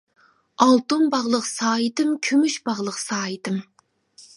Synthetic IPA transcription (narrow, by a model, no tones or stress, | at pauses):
ɑlˠt̪umbɑʁlˠəqsɑːjit̪ɨmkʲʰymyʃbɑʁlˠəqsɑːjit̪ɨm